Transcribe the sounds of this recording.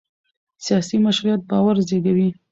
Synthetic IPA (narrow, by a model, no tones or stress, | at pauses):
sijɑsimaʃɾujat̪̚bɑwaɾzeɡawi